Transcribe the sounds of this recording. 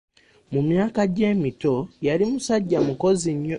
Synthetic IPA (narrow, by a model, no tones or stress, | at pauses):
mumjaːkaɟe̞ːmito̞jalimusaɟːamuko̞ziɲːo